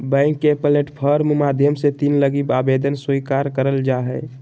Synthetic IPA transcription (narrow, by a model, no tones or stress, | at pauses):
bɛ̃ŋkːepəleʈpʰəɾmmad̪ʱjəmset̪inləɡibabed̪ənsujkaɾkəɾəld͡ʒaɦɛ